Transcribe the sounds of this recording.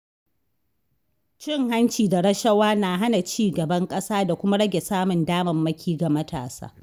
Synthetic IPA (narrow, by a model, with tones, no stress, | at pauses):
t͡ʃɪ˦˨ŋɦa˦nt͡ʃiː˨da˨ɽɐ˦ʃɐ˦waː˦na˨ɦa˦na˨t͡ʃiː˦ɡɐ˨bɐ˦ŋkʼɐ˦saː˦da˨kʷʊ˦ma˦ɽɐ˦ɡʲe˨saː˦mʊ˨ndaː˦mɐ˨mːɐ˦kʲʰiː˦ɡa˨mɐ˦tʰa̰ː˨sa̰ː˦